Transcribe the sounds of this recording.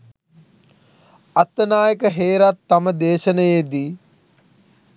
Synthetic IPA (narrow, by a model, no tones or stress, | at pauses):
ɐt̪ːɐnaːjɐkɐɦeːɾat̪ːɐmɐd̪eːʃɐnɐjeːd̪i